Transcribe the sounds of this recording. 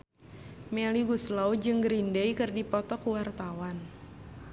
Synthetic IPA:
mɛliɡuslawd͡ʒɨŋɡɾindejkɨrdipɔt̪ɔkuwart̪awan

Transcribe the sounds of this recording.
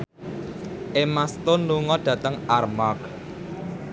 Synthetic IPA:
ʔemast̪onluŋɔɖ̥ä̤t̪əŋarmak̚

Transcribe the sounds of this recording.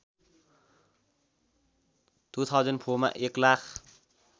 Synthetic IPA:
t̪ut̪ʰad͡ʒənpʰuma̰ʔeklax

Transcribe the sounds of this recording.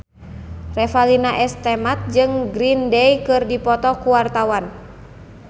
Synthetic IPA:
rɛfalinaʔɛst̪ɛmat̪̚d͡ʒɨŋɡɾindɛjkɨrdipɔt̪ɔkuwart̪awan

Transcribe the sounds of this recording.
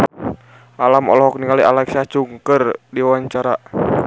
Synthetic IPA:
ʔalamɔ̰lɔɦɔk̚niŋaliʔalaksat͡ʃuŋkərdiwaɲt͡ʃaɾa

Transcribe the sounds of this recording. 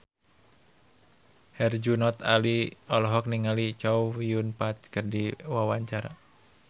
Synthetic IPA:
hɛrd͡ʒunɔt̪a̰liɔlɔɦɔk̚niŋalit͡ʃaufjunpat̪̚kərdiwawaɲt͡ʃaɾa̰

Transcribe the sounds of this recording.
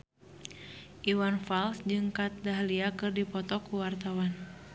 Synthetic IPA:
ʔiwanfalsd͡ʒɨŋkat̪̚daɦliakɨrdipɔt̪ɔkuwart̪awan

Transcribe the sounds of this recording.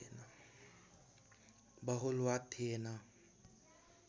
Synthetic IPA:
na | baɦʊlʊatʰɪːna

